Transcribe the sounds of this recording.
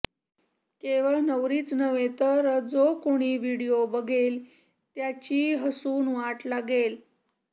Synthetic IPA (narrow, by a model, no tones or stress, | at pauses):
keʋəɭnəʋɾiːt͡snəʋet̪əɾd͡zokoɽ̃iːʋiɽijobəɡʱel | t̪jat͡ɕiːɦəsuːnʋaʈlaɡel